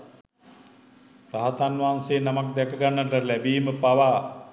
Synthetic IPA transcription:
raɦat̪anʋaːnseːnamakd̪ɛkəɡanːəʈəlæbiːməpaʋaː

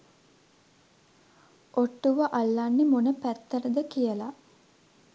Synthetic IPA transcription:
ʔoʈːuʋəʔalːanːemonəpæt̪ːəɾəd̪əkijəla

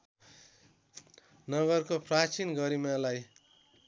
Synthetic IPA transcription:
nʌɡʌrkoprat͡sinɡʌɾimalaj

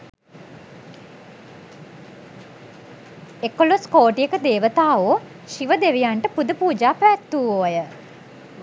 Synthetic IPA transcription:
ekoloskoːʈijəkəd̪eːʋət̪aːoː | ʃiʋəd̪eʋijaɳʈəpud̪əpuːd͡ʒaːpəʋæt̪ːuːoːjə

